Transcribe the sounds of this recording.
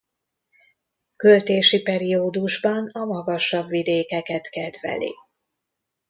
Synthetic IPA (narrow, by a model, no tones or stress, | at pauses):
kø̞lt̪eːʃipɛɾioːd̪uʒbɒnɒmɒɡɒʃːɒbvid̪eːkɛkɛt̪kɛd̪vɛ̰lḭ